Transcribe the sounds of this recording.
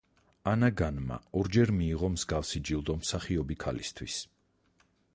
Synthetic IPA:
anaɡanma̰ɔɾd͡ʒɛɾmiːʁɔmzɡafsid͡ʒilˠd̪ɔmsaχiɔbikʰalḭst̪ʰwis

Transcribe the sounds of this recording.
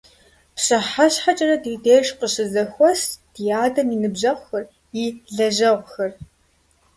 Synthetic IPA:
pɕɐħaɕħat͡ʃʼɐrɐdiːdeːʃqəɕɪzɐxʷɔsd̥ijaːdɐminɨbʑɐʁʷxɐr | iːɮɐʑɐʁʷxɐr

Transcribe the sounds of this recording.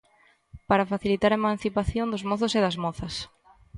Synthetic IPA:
paɾafaθilit̪aɾemãn̟θipaθjond̪ʊzmɔθʊseðɐzmɔθɐs

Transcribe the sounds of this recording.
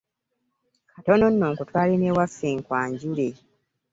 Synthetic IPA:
kʰatono̞nːoːŋkutwaːlineːwafːiːŋkwaːɲɟuɾe

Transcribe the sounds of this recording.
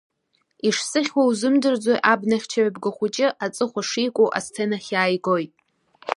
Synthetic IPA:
iʂsɨχʲwawzɨmdɨrd͡zojʔabnaχʲt͡ʃʰaɥabɡɨχʷut͡ʃʼɪʔat͡sʼɨχʷaʂijkʷʼowʔa̰st͡sʰenaχʲaːjɡojtʼ

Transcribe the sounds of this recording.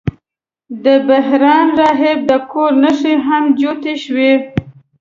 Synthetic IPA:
d̪əbaɦɾɑnɾɑɦɪb̚d̪əkoɾnəʂiɦamd͡ʒot̪eʃwe

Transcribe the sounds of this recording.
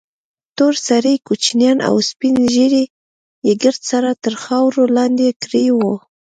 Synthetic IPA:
t̪oɾsaɾikut͡ʃnjɑnʔa̰wspinʒiɾi | jeɡəɾt̪saɾat̪əɾxɑwɾolɑnd̪ekɾiwo

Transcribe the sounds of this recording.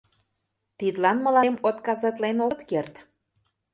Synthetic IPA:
t̪id̪lɑnmə̆lɑmot̪kɑzɑt̪lenot̪kert̪

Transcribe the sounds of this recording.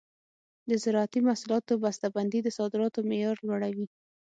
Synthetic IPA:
d̪əzɪɾɑat̪imasulɑt̪obast̪aband̪id̪əsɑd̪ɪɾɑt̪omejɑɾlwaɽawi

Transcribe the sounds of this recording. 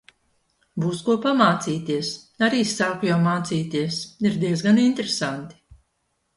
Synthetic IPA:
buːskuɔpamaːt̪siːt̪iɛs | aɾiːsaːkujawmaːt̪siːt̪iɛsiɾd̪iɛzɡanint̪ɾesant̪i̥

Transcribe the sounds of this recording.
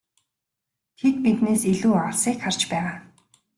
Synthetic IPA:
t̪ʰet̪̚pit̪neːsiɮuːaɮsiːkχar̥t͡ɕpæːʁaː

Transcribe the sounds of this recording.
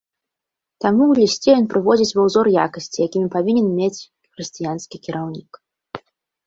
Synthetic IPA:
t̪amuwlʲisʲt͡sʲɛjɔnpɾɨvɔd͡zʲit͡sʲvawzɔrja̰kɐsʲt͡sʲijakʲimʲipavʲinʲɛnmʲet͡sʲ | xɾɨsʲt͡sʲijanskʲikʲiɾʔawnʲik

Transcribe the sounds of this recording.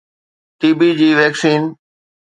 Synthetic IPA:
ʈ̪iːbid͡ʑiːʋɛːksiːn

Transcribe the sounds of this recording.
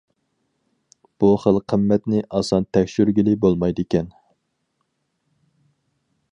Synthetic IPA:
b̥uχəlˠqʰəmːɛt̪nɪʔɑsɑnt̪ʰɛkʲʃyɾɡʲilɪbolˠmɑjd̪ɨkʲɛn

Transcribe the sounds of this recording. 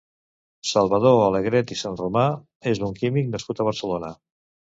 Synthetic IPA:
salˠβəð̞oaleɣɾɛt̪isanruma | ezðuŋkimik̚nəskut̪əβ̞əɾsəlonə

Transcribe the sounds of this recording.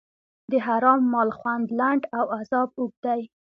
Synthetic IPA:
d̪əɦaɾɑmːɑlxwand̪laɳɖawazɑbʊɡ̚d̪aj

